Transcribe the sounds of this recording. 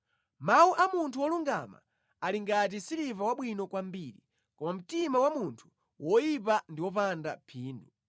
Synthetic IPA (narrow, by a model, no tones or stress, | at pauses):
mauʔamuntʰuwɔluŋɡa̰ma̰ | aliŋɡat̬isiɾivawaɓwinɔkwambiːɾḭ | kɔmam̩timawamuntʰu̥ | wʔɔjip̬andiwɔpandapʰiːndu